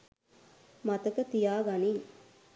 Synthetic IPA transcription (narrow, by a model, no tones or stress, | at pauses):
mat̪ɐkət̪ijaːɡani